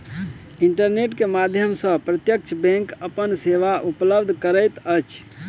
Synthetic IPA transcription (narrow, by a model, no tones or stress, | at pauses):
iɳʈəɾneʈkemad̪ʱjəmsə̃pɾət̪jək̚t͡ʃʰbɛ̃ŋkəpənseʋaʔupləbd̪ʱkəɾəjt̪ət͡ʃʰ